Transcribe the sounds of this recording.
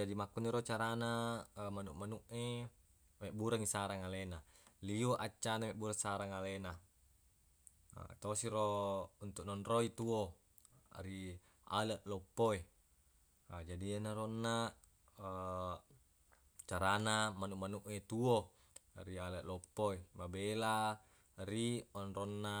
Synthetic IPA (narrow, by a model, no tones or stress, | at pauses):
d͡ʒadimakːuniɾot͡ʃaɾanamanuʔmanuʔe | meʔbuɾaŋisaɾaŋalenaliuʔat͡ʃːanameʔbuɾaŋsaɾaŋalena | t̪osiɾount̪uʔnɔnroit̪uo | a̰ɾi | a̰leʔlopːoe | ad͡ʒadianaɾonːa | t͡ʃaɾanamanuʔmanuʔet̪uo | ɾialeʔlɔpːoemabela | riɔnronːa